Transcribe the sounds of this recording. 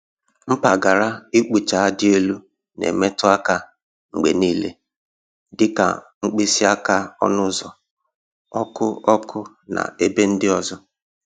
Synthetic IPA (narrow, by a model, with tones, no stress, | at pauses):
m̩˦pa˨ɡa˨ɾa˦i˦k͡pu˨t͡ʃa˨a˦dɪ˦e˦lu˦ | nḛ˨me˦tʊ˦a˦ka˦ | ŋ͡m̩˨ɡ͡be˨niː˦lḛ˦ | dɪ˦ka̰˨ | ŋ͡m̩˦k͡pi˦si˦a˦ka˦ɔ̰˦nʊ˦zɔ˨ | ɔ˦kʊ˦ɔ˦kʰʊ˦ | na̰˨e˦be˦n̩˦dɪ˦ɔ˦zɔ˦